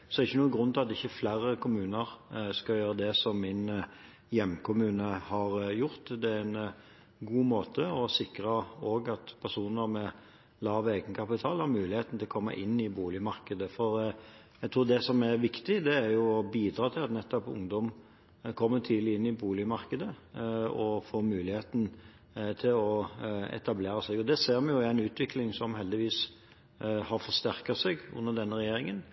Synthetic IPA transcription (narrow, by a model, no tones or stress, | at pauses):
sɔdɛɾɪçːənuːəɡʁʉnt̪ʰɪlɑt̪ɪçːəflæːɾəkʰʊmʉːnəɾskɑjøːɾəd̪ɛsɔmːɪn | jɛmːkʰʊmʉːnəhɑɾjʊɾt̪d̪ɛæɾɛn | ɡuːmoːt̪ʰəɔsɪkɾəoːɡɑt̪pʰæʁsuːnəɾmɛ | lɑːʋeːɡənkʰɑpɪt̪ʰɑːlhɑɾmʉːlɪheːt̪n̩t̪ɪlɔkʰɔmːə̰ʔɪnːɪbuːlɪəmɑɾkəd̪əfɔɾ | ɛɡt̪ʰɾuːd̪ɛsɔmæʋɪkt̪ɪd̪ɛæɾjʊɔbiːd̪ɾɑːt̪ʰɪlɑt̪nɛt̪ːɔpʊ̰ŋd̪ɔm | kʰɔmːət̪ʰiːd̪lɪɪnːɪbuːlɪəmɑɾkəd̪ə | ɔfoːmʉːlɪheːt̪n̩ | t̪ʰɪlɔɛ̰t̪ɑbleːɾəsɛɡɔd̪ɛseːɾmɛnjʊɪæɪnʉːt̪ʰʋɪklɪŋsɔmɦɛld̪ɪʋiːs | hɑɾfɔʂt̪æɾkɑsɛɡʉ̰nːəd̪ɛnːəɾɛjeːɾɪŋən